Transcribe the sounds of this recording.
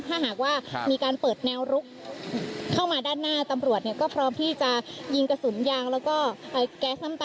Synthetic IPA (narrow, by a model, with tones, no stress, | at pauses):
t̪ʰaː˥˩ɦaː˨˩k̚waː˥˩miː˧kaː˧npɤː˨˩t̪̚nɛː˧wɾu˦˥k̚ | kʰaː˥˩wmaː˧daː˥˩nːaː˥˩t̪a˧mɾu˨˩ət̪̚ni˥˩ɐkɔː˥˩pʰɾɔː˦˥mt̪ʰiː˥˩t͡ɕa˨˩ji˧ŋka˧su˩˦njaː˧ŋlɛː˦˥wkɔː˥˩ʔaː˨˩kɛː˦˥sna˥˩t̪a